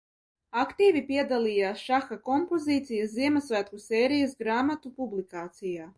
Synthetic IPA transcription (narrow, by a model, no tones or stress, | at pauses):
akt̪iːvipiɛd̪aliːjaːsʃaxakompoziːt̪sijɐsziɛmasvæːt̪kusɛːɾijɐs̬ɡɾaːmat̪upublikaːt̪sijaː